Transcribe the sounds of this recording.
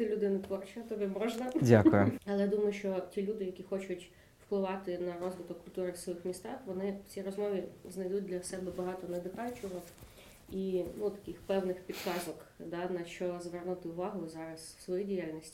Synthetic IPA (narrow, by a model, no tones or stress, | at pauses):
sʲɛlʲʊd̪ɪnɐt̪ʋɔrt͡ʃɪɐt̪ɔbʲimɔʒnɐdʲakʊjɐlˠɛjad̪umɔjʊʃt͡ʃɔtʲilʲud̪ɪjɐkʲixɔt͡ʃʊtʲ | wklˠɪʋɑt̪ɪnɐɾɔzʋɨt̪ɔkːʊlʲt̪uɾɪsʋɔjɪxmʲist̪ɑxʋɔnɪt͡sʲiɾɔzmɔʋʲiznɐjd̪ut̚ʲd̪lʲɐsɛbɛbɐɦɑt̪ɔnɛd̪ɪkɑlʲt͡ʃɔɦɔ | inut̪ɐ̥kɪxpɛwnɪxpʲid̪kɑzɔkd̪ɑnɐʃt͡ʃɔzʋɛrnut̪ɪʊʋɑɦʊzɑɾɐswsʋɔjidʲijalʲnʲisʲtʲi̥